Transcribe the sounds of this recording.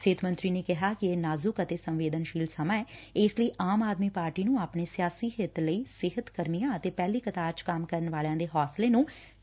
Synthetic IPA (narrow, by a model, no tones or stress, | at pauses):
seːt̪mə̃nt̪ɾiːneːkɪɦaːkɪeːnaːzʊkət̪eːsəmʋeːd̪ənʃiːlsəmãːɛːɪːsləiːʔaːmaːd̪miːpaːɾʈiːnũːaːpɳeːsɪjaːsiːɦɪt̪ləiːsɪɦət̪kəɾnijãːət̪eːpɛːliːkət̪aːt͡ʃkəmkəɾənʋaːlejãːd̪eːɦɔːsleːnũː